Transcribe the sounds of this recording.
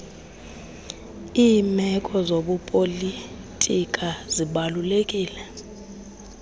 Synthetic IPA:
iːmɛkʼɔzoɓupʼoli | tʼikʼaziɓalulekʼiːlɛ

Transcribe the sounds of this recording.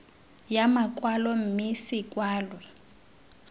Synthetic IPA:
jamakʼwalɔm̩misikʼwaːlwɛ

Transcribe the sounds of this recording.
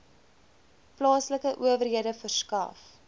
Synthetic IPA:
plɑːsləkəʔuəvərɦiədəfərskɐ̰f

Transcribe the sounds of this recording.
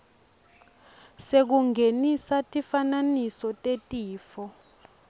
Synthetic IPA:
sek̬uŋʱenisatʼifananisɔtʼetʼiːfɔ

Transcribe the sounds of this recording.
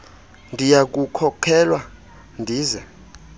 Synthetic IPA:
ndʱijak̬ukʰɔkʰɛlwa | ndʱiːzɛ

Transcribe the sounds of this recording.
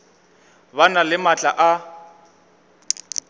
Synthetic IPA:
banalɪmat͡ɬʼaʔa

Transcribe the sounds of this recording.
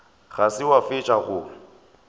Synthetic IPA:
ɣasɪwafɪt͡ʃʼaɣʊ

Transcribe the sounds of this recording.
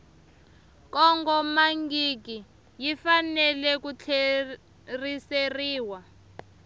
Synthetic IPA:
kɔŋɡɔmaŋɡik̬i | jifanɛlɛkut͡ɬʰe | riseriːwa

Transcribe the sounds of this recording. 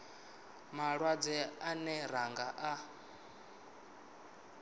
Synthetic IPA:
maɺwad͡zɛanɛɾaŋɡaʔa

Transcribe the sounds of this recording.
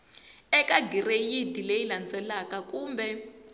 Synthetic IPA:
ɛkʼaɡʱirejidʱilejiland͡zʼɛlakʼakʼuːmbɛ

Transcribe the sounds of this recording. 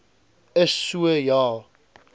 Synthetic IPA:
əsːuəjɑl

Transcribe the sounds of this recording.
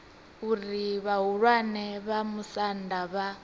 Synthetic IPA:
uɾiβaɦuɺwanɛβamusandaβa

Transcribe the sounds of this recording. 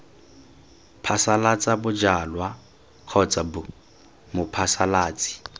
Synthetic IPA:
pʰasalat͡sʼabʊd͡ʒalwa | q͡χʰɔt͡sʼabʊ | mʊpʰasalaːt͡sʼɪ̥

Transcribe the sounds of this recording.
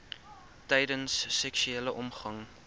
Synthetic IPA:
tɛjdənsːɛksyeːləʔɔmχɐŋ

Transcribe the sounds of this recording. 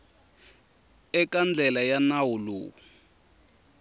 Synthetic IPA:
ɛkand͡ɮʱɛlajanawulṵːu

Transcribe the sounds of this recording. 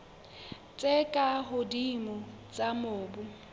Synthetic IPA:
t͡sʼɛkʼaɦʊdimɔt͡sʼamoːbʊ

